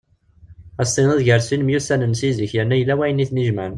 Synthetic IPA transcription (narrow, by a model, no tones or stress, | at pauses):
æsˤinəðʝəɾsinmjusænənsizəçjænːæjəlːæwæjənːiθniʒmən